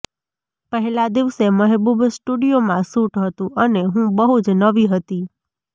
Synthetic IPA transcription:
pəɦɛlad̪iʋseməɦbubʱsʈuɽijomãsuʈɦət̪ũʔəneɦũbəɦut͡ʃnəʋiɦət̪i

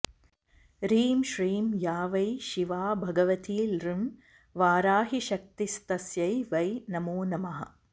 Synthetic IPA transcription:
ɾiːmʃɾiːmjaːʋɐjʃiʋaːbʱɐɡɐʋɐt̪ʰiːlrim | ʋaːɾaːɦiʃɐk̚t̪ist̪ɐsjɐjʋɐjnɐmuːnɐmɐɦɐ̰̆

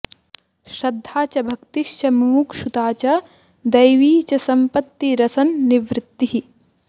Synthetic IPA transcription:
ʃɾɐd̪ʱːaːt͡ʃɐbʱɐkt̪iʃt͡ʃɐmumukʃut̪aːt͡ʃɐ | d̪ɐjʋiːt͡ʃɐsɐmpɐt̪ːiɾɐsɐnːiʋɾɪt̪ːiɦi

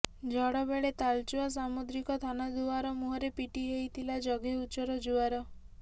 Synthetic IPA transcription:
d͡ʒʱɔɽɔbeɭet̪alt͡ʃuas̬amud̪ɾikɔt̪ʰanad̪uaɾɔmuɦɔɾepiʈiɦejt̪ʰilad͡ʒɔɡʱeut͡ʃɔɾɔd͡ʒuaɾɔ

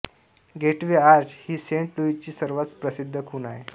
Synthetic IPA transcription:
ɡeʈʋeaɾd͡ʑhiːseɳʈluit͡ɕiːsəɾʋat͡spɾəsid̪ʱːəkʰunae

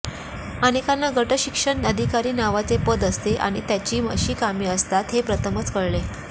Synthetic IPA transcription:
ənekanːaɡʱəʈəɕikʂəɳnəd̪ʱikaɾiːnaʋat͡sepəd̪əst̪eʔa̰ɽ̃it̪jat͡ɕiːmə̰ɕiːkamiːəst̪at̪ɦepɾət̪ʰəmət͡skəɽle

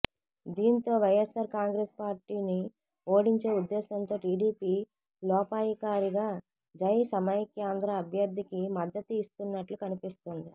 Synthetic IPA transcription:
d̪iːnt̪o̞ːʋɐjesaːɾkaːŋɡɾeːspaːɾʈiːni | o̞ːɽiɲt͡ʃe̞ːud̪ːɛːsɐnt̪o̞ːʈiːɽiːpiː | lɔːpaːjikaːɾiɡaː | d͡ʒɐjsɐmɐjkjaːnd̪ɾɐːbʱjɐɾd̪ʱikimɐd̪ːɐt̪uist̪unːɐʈlukɐnipist̪und̪i

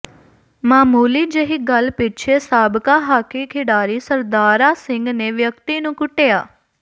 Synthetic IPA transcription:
maːmuːliːd͡ʒəɦiːɡəlpɪt͡ʃʰeːsaːbkaːɦaːkiːkʰɪɖaːɾiːsəɾd̪aːɾaːsɪŋɡneːʋjəkt̪iːnũːkʊʈeːaː

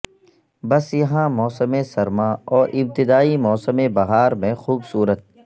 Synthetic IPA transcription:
bɐsjɐɦãmɔːsəmẽsɐɾmãɔːɾʔɪb̚t̪ɪd̪aːimɔːsəmẽbɐɣaːɾmẽxuːbsuːɾət̪̚

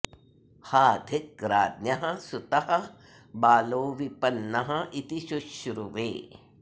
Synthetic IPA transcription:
haːd̪ʱɪk̚ɾaːd̪njɐɦɐ̆sʊt̪ɐɦɐ̆ | baːloːʋipɐnːɐɦɐ̆it̪iʃuʃɾuʋḛː

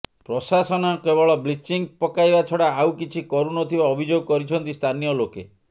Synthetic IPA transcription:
pɾɔsasɔnakebɔɭɔblit͡ʃiŋpɔkajbat͡ʃʰɔɽaːwkit͡ʃʰikɔɾunɔt̪ʰibaɔbʱid͡ʒoɡɔkɔɾit͡ʃʰɔnt̪ist̪ʰanijɔloke

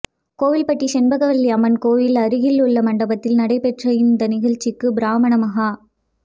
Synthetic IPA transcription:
koːʋɪlpɐʈːiʃɛnbɐɣɐʋɐlːiɐmɐnkoːʋɪlɐɾɯɣɪlʊɭːɐmɐɳɖɐbɐt̪ːɪlnɐɽɐɪpɛʈrɐjɪnd̪ɐnɪɣɐɻt͡ʃːɪkːɯbɪɾaːmɐɳɐmɐɣa

